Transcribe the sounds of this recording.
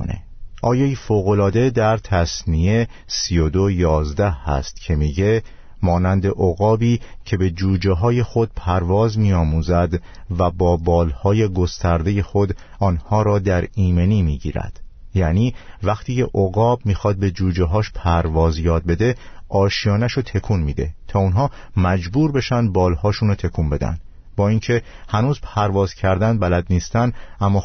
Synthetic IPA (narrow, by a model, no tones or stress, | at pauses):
o̰nḛ | ʔɒːjɒːifoːɣo̞lɒːd̪e̞d̪æɾt̪ʰæsnie̞ | siod̪ojɒːzd̪æhhæ̰st̪cʰe̞miːɟe̞ | mɒːnænd̪e̞ʔoɣɒːbiːcʰe̞be̞d͡ʒuːd͡ʒeɦɒːje̞xo̞d̪̥̚pʰæɾvɒːzmiːɒːmuːzæd̪væbɒːbɒːlhɒːje̞ɡo̞st̪ʰæɾd̪e̞je̞xo̞d̪ | ɒːnhɒːɾɒːd̪æɾiːme̞niːmiːɟḭːɾæ̰d̪̥jæniːvæxt̪ʰiːcʰeʔoɣɒːbmiːxɒːd̪̚be̞d͡ʒuːd͡ʒeɦɒːʃpʰæɾvɒːzjɒːd̪̚be̞d̪e̞ʔɒːʃijɒːnæʃot̪ʰe̞kʰuːnmiːd̪e̞̰t̪ʰɒːunɦɒː | mæd͡ʒbuːɾbe̞ʃænd̪̚bɒːlhɒːʃunot̪ʰe̞kʰuːnbe̞d̪æ̰nd̪ | bɒːiːŋcʰe̞hænuːzpʰæɾvɒːz̥cʰæɾd̪ænd̪̚bælæd̪niːst̪ænd̪ʔæmːɒː